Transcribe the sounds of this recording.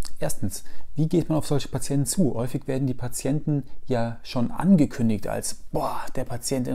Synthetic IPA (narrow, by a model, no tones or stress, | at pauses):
ʔeːɐstn̩sv̥iːɡeːtmanaʊfz̥ɔlçə̥pʰat͡sjɛntn̩t͡suːhɔʏfɪçv̥eːɐdn̩diːpʰat͡sjɛntn̩jaːʃoːnʔa̰nɡəkʰʏndɪçta̰lsb̥ɔːd̥eːɐpʰat͡sjɛntɪ